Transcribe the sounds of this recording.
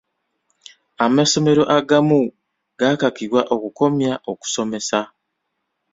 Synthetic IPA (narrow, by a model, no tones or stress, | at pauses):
amaso̞me̞ɾo̞ʔaɡamu | ɡ̥akakiɾwaʔo̞kuko̞mjaʔoku̥so̞me̞sa